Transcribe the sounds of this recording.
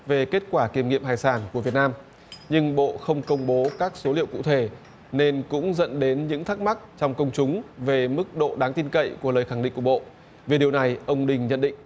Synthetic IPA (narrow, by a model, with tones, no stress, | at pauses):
ve˨˩ke˦˥t̚kwaː˧˩ki˧˩əmŋḭ˧˨əmhaː˧˨˩jsaː˧˩nku˧˩əvi˨˩ət̚naː˧m | ɲɨ˧ŋɓo̰˧˨xə˧wŋ͡mkə˧wŋ͡mɓo˨˦kaː˦˥k̚so˨˦lḭ˧˨əwkṵ˧˨t̪ʰe˧˩ | ne˧nkʊ̰˧˥ŋ͡mzə̰˧˨nɗe˨˦nɲɨ̰˧˥ŋt̪ʰaː˦˥k̚ma˦˥k̚t͡ɕɔ˧wŋ͡mkə˧wŋ͡mt͡ɕʊ˨˦ŋ͡mve˨˩mɨ˦˥k̚ɗo̰˧˨ɗaː˨˦ŋt̪i˧nkə̰˧˨jku˧˩ələː˨˩jxa˧˩ŋɗḭ̈˧˨ŋkɓo̰˧˨ | ve˨˩ɗi˨˩əwna˨˩jʔə˧wŋ͡mɗï˨˩ŋ̟ɲə̰˧˨nɗḭ̈˧˨ŋ̟